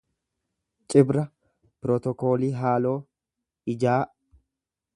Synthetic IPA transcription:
t͡ʃʼɪbɾɐ | pɪɾɔt̪ɔko̞ːliːɦaːlo̞ː | ɪd͡ʒaː

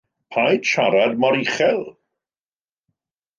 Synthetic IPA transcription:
pʰajd̥ʃaɾadmaɾiχɛlˠ

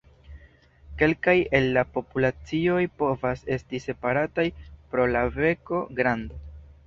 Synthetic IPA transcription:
ke̞lkaje̞lːapo̞pulat͡sio̞jpo̞vase̞stise̞paɾatajpɾo̞lave̞ko̞ɡɾando

